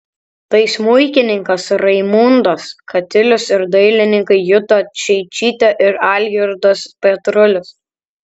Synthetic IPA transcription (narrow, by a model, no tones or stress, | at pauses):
t̪ɐɪsmʊɪkʲɪnʲɪŋkɐsɾɐɪmuːnd̪oskʰɐt̪ʲɪlʲʊsɪɾd̪ɐɪlʲɪnʲɪŋkɐɪjʊt̪ot͡ʃʲɛɪt͡ʃʲiːt̪ʲɛʔɪɾɑːlʲjɪɾd̪ospʲɛt̪ɾʊlʲʊs